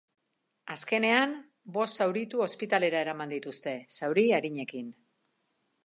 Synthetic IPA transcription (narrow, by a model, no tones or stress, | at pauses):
aske̞ne̞an | bo̞st̪ːawɾit̪uo̞spit̪ale̞ɾae̞ɾamand̪it̪ust̪e̞sawɾiaɾiɲe̞kin